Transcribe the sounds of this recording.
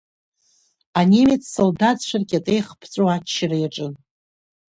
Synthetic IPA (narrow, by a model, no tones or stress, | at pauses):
anʲemet͡sʰʼsoldatʃʷʰarɡʲatʼejχpʰt͡sʷʼoat͡ʃːɪrajaʈ͡ʂʼɨn